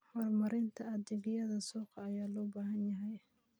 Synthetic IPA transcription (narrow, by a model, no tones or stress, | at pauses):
hɔːrmɐɾɪnt̪ʰɐɐdɛɡɪjɐðɐsuːqɑːjaːlɔːbaːɦɐnjɐɦɛj